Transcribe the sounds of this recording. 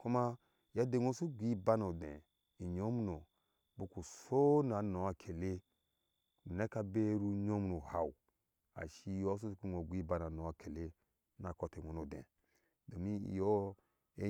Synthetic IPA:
ku˦ma˦ | ja˦de˨ŋo˦su˦ɡʷi˦ba˦no˨dḛ̃˨ | i˨ɲo˦m˦no˨ | bu˦ku˨so˦na˨no˨˦a˨kʰe˨le˦˨ | ne˦ka˦be˦ɾu˦ɲo˦mnu˨ha˨u˨ | a̰˨ʃi˦jo˦s̬o˦sku˦ŋo˨ɡʷi˦ba˦na˨no˨˦a˨kʰe˨le˦ | na˨ko˦te˨ŋo˨no˨dḛ̃˨ | do˨mḭ˦˨jo˦ | e˦

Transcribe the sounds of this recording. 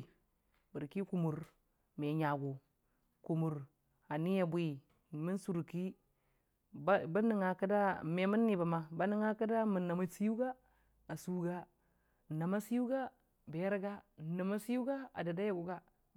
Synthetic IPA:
bi˨ɾki˦ku˨mu˨ɾ | me˨ɲa˨ɡu˨ | ku˨mu˨ɾ | a˨ni˦ja˦˨bwi˦˨ | mi˦nsu˨ɾki˦ | ba˦ni˨ŋa˨ka˦da˦˨me˨mi˦nːi˨ba˨ma˨ba˦ni˦ŋa˦ka˦da˦mu˨nːa˨ma˦si˦ju˦ɡa˦ | a˨su˨ɡa˦˨ | na˨ma˦si˦ju˦ɡa˦ | be˨˦ɾɡa˦˨na˨ma˦si˦ju˦ɡa˦a̰˨da˨da˦ja˦ɡu˨ɡa˦

